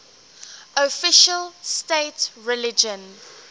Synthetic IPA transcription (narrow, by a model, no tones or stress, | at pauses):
ofɪʃəlsteɪtɹɛlɪd͡ʒə̃n